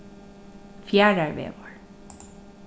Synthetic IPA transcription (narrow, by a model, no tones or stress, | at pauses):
fjæːɹæɹʋḛːʋɔɹ